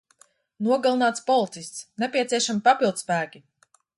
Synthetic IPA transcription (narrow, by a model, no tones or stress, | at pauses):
nuɔɡalˠinaːt̪spɔlˠit̪sisʲt̪snepʲiɛsiɛʃamipapilˠd̪spæːkʲi